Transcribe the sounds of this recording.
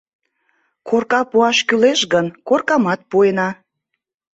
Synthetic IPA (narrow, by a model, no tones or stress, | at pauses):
kʰorkɑpuɑʃkyleʃɣənkorkɑmɑt̪̚puenɑ